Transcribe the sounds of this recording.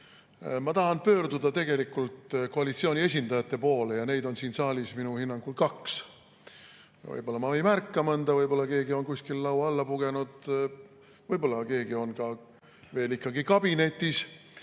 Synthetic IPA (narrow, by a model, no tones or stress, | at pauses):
mɑt̪ɑhɑnpøːrd̪ud̪ɑt̪e̞ɡ̥e̞likːˑult̪ko̞ɑlit̪sio̞ːnʲie̞s̬ʲind̪ɑjɑt̪ːˑe̞po̞ːlejɑne̞jd̪̥o̞nsiːnsɑːlʲisminuhinːɑŋɡ̥ulkɑks | vɤ̰jbo̞lːɑmɑvejmærkˑːɑmɤnd̪̥ɑvɤjbo̞lːɑke̞ːɡio̞nkusʲkilːɑwɑlːɑpuɡ̥e̞nud̪̥ | vɤjbo̞lːɑke̞ːɡ̥io̞nkɑ | ve̞ːlikːɑɡikɑb̥ine̞t̪ːˑis